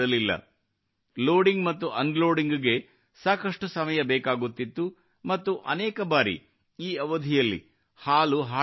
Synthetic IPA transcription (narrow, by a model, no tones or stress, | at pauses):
ɐlilːɐ̰ | loːɖiŋɡmɐt̪ːuʔɐnɖlo̞ːɖiŋɡɡe̞ | saːkɐʂʈusɐmɐjɐbɛːkaːɡut̪ːit̪ːu | mɐt̪ːuʔɐ̰nɛːkɐbaːɾḭ | iːɐʋɐd̪ʱijɐlːḭ | haːluɦaː